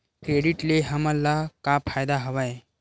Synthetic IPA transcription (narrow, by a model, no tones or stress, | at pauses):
kɾeːɖiʈleɦəməlːakapʰajd̪aɦəʋaj